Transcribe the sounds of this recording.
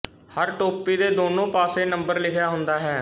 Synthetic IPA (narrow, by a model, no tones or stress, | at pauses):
həɾʈoːpiːd̪eːd̪oːnõːpaːseːnəmbəɾlɪkʰjaːɦʊnd̪aːɦɛː